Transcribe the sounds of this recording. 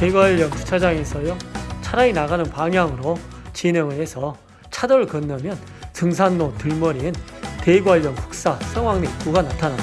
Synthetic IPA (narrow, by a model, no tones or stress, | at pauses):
teɡwaʎːʌnsʰu̥t͡ɕʰad͡ʑaŋe̞sʰʌjot͡ɕʰaɾainaɣanɯnpaŋjaŋɯɾot͡ɕinɯŋɯɭɦe̞sʰʌ | t͡ɕʰadʌɾɯɭkɯnːamjʌn | tɯŋs̬ʰanːotɯɭmʌɾiɯn | te̞ɡwaɭjʌnkuk̚s͈asʰʌŋwaŋne̞ik͈uɡanatʰana